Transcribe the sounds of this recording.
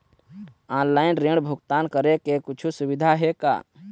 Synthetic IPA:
ãːnlaːɪnɾẽːɽbʱʊkt̪aːnkəɾekekʊt͡ʃʰusʊʋɪd̪ʱaɦeka̰ː

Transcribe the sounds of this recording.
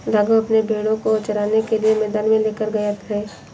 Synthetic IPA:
lɐɡoɐpnebʱeːɽõkot͡ʃəɾaːnekelijemɛːd̪aːnmẽleːkəɾɡɐjət̪ɦɛː

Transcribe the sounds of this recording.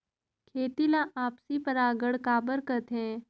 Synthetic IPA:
kʰeːt̪ilaʔaːpsipɐɾaːɡəɽkaːbəɾkəɾt̪ɦɛ̃ː

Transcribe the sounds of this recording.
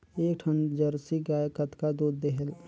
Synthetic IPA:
eːkʈʰənd͡ʒəɾsiɡaːekət̪kad̪oːd̪d̪eɦɛl

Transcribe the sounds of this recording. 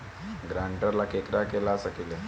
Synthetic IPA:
ɡɾaɳʈəɾlakekɾakelasəkile

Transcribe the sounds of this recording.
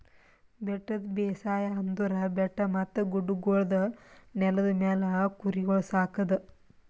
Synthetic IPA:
bɛʈːɐd̪beːsaːjɐɐnd̪uɾɐbɛʈːɐmɐt̪ːɐɡuɖuɡoːɭɐd̪ɐnɛlɐd̪ɐmɛːlɐkuɾiɡoɭsaːkɐd̪ɐ

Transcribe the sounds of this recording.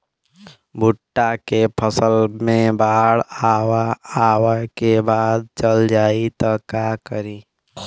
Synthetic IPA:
bʱuʈːakepʰəsəlmẽbaɦəɽawaːwəkebaːd̪̚t͡ʃəld͡ʒaːit̪ɔkakəɾi

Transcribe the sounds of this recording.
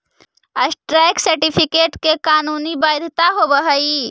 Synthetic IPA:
əsʈɾɛjksəɾʈipʰikeʈkekaːnunibajd̪ʱt̪aɦobəɦəi

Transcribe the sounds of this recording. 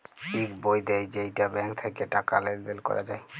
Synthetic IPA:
ʈikbojd̪ejd͡ʑejʈabɛŋkt̪ʰekeʈakaleɾd̪elkɔ̰ɾʔa̰d͡ʑaj

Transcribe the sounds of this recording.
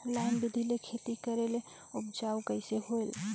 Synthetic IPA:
laɪnbid̪ʱilekʰet̪ikəɾele | upd͡ʒawkəɪseɦoel

